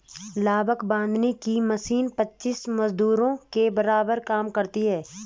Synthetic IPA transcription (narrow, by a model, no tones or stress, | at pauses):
laːbəkbãːnd̪nekimɐsiːnpɐtːʃismɐzd̪uːɾõkebɐɾaːbəɾkaːmkɐɾt̪iɦɛː